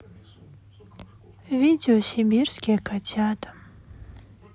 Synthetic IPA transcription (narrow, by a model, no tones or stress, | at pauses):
vʲidʲɪɔsʲɪbʲirskʲɪkatʲat̪